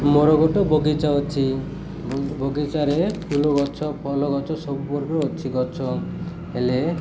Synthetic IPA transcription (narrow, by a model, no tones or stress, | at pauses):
mɔɾɔɡɔʈɔboɡit͡ʃaɔt͡ʃʰi | boɡit͡ʃaɾepʰulɔɡɔt͡ʃʰɔpʰɔlɔɡɔt͡ʃʰɔsɔbubɔɾɔːt͡ʃʰiɡɔt͡ʃʰɔ | ɦele